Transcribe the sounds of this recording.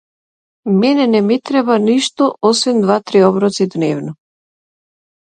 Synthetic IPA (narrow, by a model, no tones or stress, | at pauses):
mɛnɛnɛmɛt̪ɾɛbaniʃt̪ɔɔsvɛnd̪vat̪ɾiɔbɾɔt̪sid̪nɛvnɔ